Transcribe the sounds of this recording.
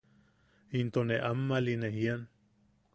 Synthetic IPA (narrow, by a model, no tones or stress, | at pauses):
int̪oneʔamːalineɦian